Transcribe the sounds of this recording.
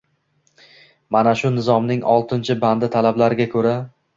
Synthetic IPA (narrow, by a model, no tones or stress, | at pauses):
manaʃʊnɪzɒmnɪŋɒlˠt̪ʰɪnt͡ʃʰɪband̪ɪt̪ʰalablaɾɪɡʲakʰɵɾa